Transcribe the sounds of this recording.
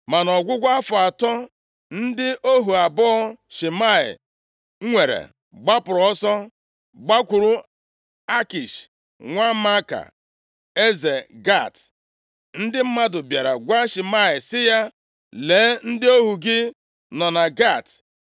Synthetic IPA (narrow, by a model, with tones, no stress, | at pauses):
ma˨nɔ˨ɡʷʊ˦ɡʷa˦a˦fʊ˨a˨tɔ˦ | n̩˦dɪ˦ʔo˦ɦu˨a˨bɔ˦ʃi˨ma˦˨ɪ̰˨ | ŋ̩˦ŋʷe˨ɾḛ˨ | ɡ͡ba˦pʊ˨ɾɔ˦sɔ˦ | ɡ͡ba˦kʷʊ˨ɾʊ˨ | a˦ki˨ʃ | ŋʷa˦ma˦ka̰˨ | e˦ze˨ɡa˦˨t | n̩˦dɪ˦m̩˦ma˦dʊ˨bja˨ɾa˨ɡʷa˦ʃi˨ma˦˨ɪ˨sɪ˦ja˦ | le˨˦n̩˦dɪ˦o˦ɦu˨ɡɪ˦ | nɔ˨na˨ɡa˦˨t